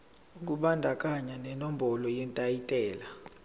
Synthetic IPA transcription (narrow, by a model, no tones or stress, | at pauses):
uk̬ʼuɓandʱakʼaɲanɛnɔm̩bɔlɔjɛntʼajitʼɛːla